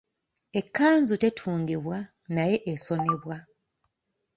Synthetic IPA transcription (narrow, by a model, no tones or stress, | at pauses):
e̞kːaːnzute̞tʰuːŋɡeβwa | naje̞ʔːso̞ne̞βwa